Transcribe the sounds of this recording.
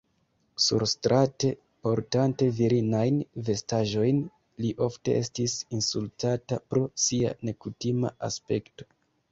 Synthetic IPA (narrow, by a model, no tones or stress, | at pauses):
sṵɾstɾʔate̞ | po̞ɾtante̞viɾinajnve̞staʒo̞jn | liʔo̞fte̞̰ʔe̞stisinsultatapɾo̞sia̰ne̞kutima̰ʔa̰spe̞kto̞̥